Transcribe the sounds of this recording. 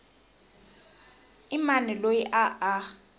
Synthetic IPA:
imanɛlojiʔaʔa

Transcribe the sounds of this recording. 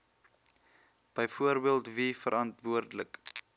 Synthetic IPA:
b̥əjfuərbiəlˠtvifəɾʔɐntvuərdələk

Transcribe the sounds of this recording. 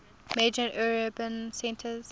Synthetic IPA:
med͡ʒəʔɛɹəbə̃nsɛ̃ntʰəz̥

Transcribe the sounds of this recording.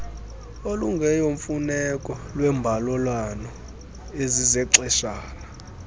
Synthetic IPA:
oluŋɡʱɛjoɱfunɛkʼɔlwɛmbʱalɔlwanɔ | ezizɛǀɛʃaːna

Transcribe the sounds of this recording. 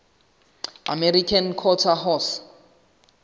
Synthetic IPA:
a̰meɾikʰankʰɔtʰaɦɔs

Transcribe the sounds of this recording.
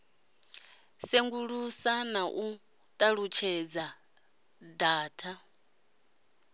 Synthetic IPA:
seŋɡuɺusanaʔu | t̪ʼaɺut͡ʃʰɛd͡za | daːtʰa

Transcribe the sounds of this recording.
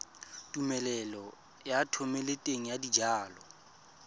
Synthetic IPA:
tʼumɛlɛlɔ | jatʰɔmɛletʼeŋ̩jadid͡ʒaːlɔ

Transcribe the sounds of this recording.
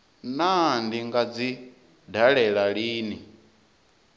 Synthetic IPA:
nandiŋɡad͡zi | daɺɛɺaɺiːni

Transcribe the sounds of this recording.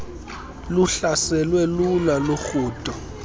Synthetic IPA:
luɬasɛlwɛlulaloxuːtʼɔ

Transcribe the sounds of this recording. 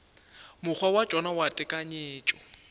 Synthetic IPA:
mʊk͡xʰwawad͡ʒ̥ʼɔnawatʼɪkʼaɲeːt͡ʃʼɔ

